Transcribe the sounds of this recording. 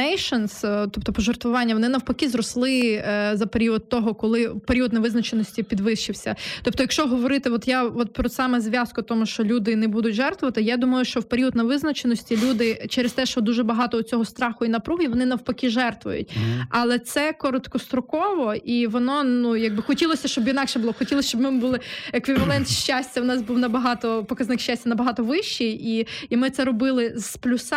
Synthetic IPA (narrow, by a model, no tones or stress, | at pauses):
ɛjʃɔnst̪ɔp̚t̪ɔpɔʒɔrt̪ʋʊʋɑnʲːɐʋɔnɪnɐwpɐkʲizɾɔslˠɪzɐpeɾʲiɔd̪̚t̪ɔɦɔkɔlˠɪpeɾʲiɔd̪nɐʋɪznɐt͡ʃenɔsʲtʲipʲid̪ʋɪʃt͡ʃɪwsʲɐt̪ɔpt̪ɔjɐkʃt͡ʃɔɦɔʋɔɾɪt̪ɪʋɔt̪jaʋɔt̪̚pɾɔsɑmɛzʲʋʲjɑskʊt̪ɔmʊʃt͡ʃɔlʲud̪ɪnɛbud̪ʊtʲʒɛrt̪ʋʊʋɐt̪ɪjad̪umɐjʊʃt͡ʃɔwpeɾʲiɔd̪nɐʋɪznɐt͡ʃenɔsʲtʲilʲud̪ɪt͡ʃɛɾest̪ɛʃt͡ʃɔd̪uʒɛbɐɦɑt̪ɔʊt͡sʲɔɦɔst̪ɾɑxʊinɐpɾuɦʲiʋɔnɪnɐwpɐkʲiʒɛrt̪ʋʊ̰jʊ̰tʲɐlˠɛt̪sɛkɔɾɔt̪kɔst̪ɾɔkɔʋɔiʋɔnɔnujɐɡ̚bɪxɔtʲilˠɔsʲɐʃt͡ʃɔbjinɑkʃɛbʊlˠɔxɔtʲilˠɔsʲt͡ʃɔbmɪmbulˠɪekʋʲiʋɐlˠɛnt̪ʃʲt͡ʃasʲtʲɐwnɑsbuwnɐbɐɦɑt̪ɔpɔkɐznɪkʃt͡ʃːasʲtʲɐnɐbɐɦɑt̪ɔʋɪʃt͡ʃiiimɪt̪sɛɾɔbɪlˠɪz̥plʲus